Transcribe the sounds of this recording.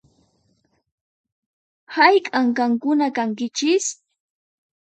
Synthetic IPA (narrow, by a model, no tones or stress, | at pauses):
hajkʼaŋkaŋkʊnakaŋkɪt͡ʃɪs